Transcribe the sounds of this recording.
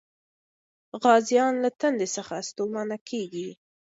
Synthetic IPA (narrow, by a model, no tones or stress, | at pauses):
ɣɑzjɑnlat̪and̪esəxast̪omanakʰeɡi